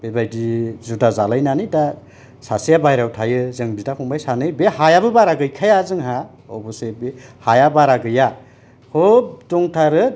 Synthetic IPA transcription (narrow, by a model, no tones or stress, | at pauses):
b̥ebajdizudazalajnanɯjda | sasijabajɾawtʰajɯzɯŋbitakʰuŋbajsanɯjbeɦajabɯbaɾaɡɯjkʰajazɯŋɦa | ɔbɔsebehajabaɾaɡɯja | hodɔŋtʰaɾɯ